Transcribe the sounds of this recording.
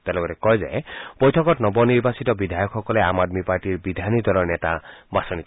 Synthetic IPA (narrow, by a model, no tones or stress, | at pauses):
t̪ɛlɔɡɔɾɛkɔjzɛ̰b̥ojtʰɔkɔtnɔbɔniɹbasitɔbidʱajɔkxːɔkɔlɛamadmipaɹtiɹbidʱanidʱɔɾɔɹnɛta̰basɔni